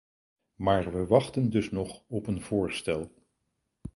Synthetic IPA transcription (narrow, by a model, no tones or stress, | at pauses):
maːɹʋəʋɑχtəndɵsnɔχɔpənv̥ʊːɹstɛlˠ